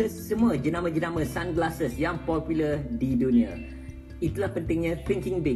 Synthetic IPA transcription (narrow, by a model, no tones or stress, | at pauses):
əsəmũad͡ʒənãmə̃d͡ʒənãmə̃sanɡlasəsjaŋpɔpjulərdidunĩa | it̪ulahpənt̪ɪŋɲãt̪iŋkɪŋbɪ